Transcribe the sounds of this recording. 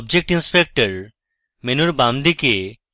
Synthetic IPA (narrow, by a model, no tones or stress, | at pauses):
b̚d͡ʑek̚ʈinspek̚ʈəɾ | menuɾbamd̪ike